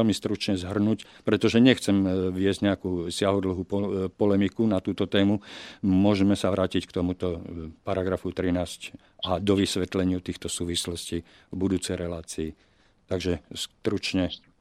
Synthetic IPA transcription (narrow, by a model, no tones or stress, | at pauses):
ɛlmist̪ɾut͡ʃɲɛzɦr̩nucpɾɛt̪ɔʒɛɲɛxt͡sɛmʋɪɛzɟɲɛakuːsɪaɦɔd̪l̩ɦuːpɔpɔlɛmikunat̪uːt̪ɔt̪ɛːmumʊɔʒɛmɛsaʋɾaːcickt̪ɔmut̪ɔpaɾaɡɾafut̪ɾinaːsc | ad̪ɔʋisʋɛt̪lɛɲɪut̪iːxt̪ɔsuːʋislɔsciː | vbud̪uːt͡sɛjɾɛlaːt͡siː | t̪aɡʒɛst̪ɾut͡ʃɲɛ